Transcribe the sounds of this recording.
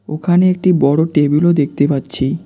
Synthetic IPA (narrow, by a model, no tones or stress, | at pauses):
okʰaneek̚ʈibɔɽoʈebulod̪ek̚t̪epatːɕʰi